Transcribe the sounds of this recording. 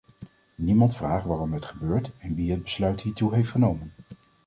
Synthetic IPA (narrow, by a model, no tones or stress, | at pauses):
nimɑntfraːχʋaːrɔmətχəbøːɹtɛnʋiɦəd̚bəslœɥtɦiːɹtuɦejftχənowmən